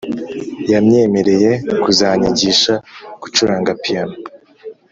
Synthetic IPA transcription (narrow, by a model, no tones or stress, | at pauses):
jamɲe̞ːme̞ɾe̞je̞kuzaɲiɟiʃaku̥t͡ʃuɾaːŋɡapijano